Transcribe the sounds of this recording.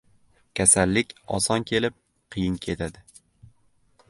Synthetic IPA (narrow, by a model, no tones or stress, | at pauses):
kʲʰasalːɪkʲɒ̰sɒnkʲʰe̞lɪp̚ | qʰɨjɪnkʲʰe̞t̪ʰad̪ɪ